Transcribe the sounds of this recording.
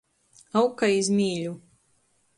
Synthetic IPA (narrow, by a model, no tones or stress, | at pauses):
awkajizmʲiːʎʲu